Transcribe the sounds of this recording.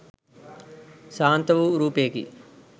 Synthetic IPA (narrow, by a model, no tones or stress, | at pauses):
saːnt̪ɐʋuɾuːpekḭ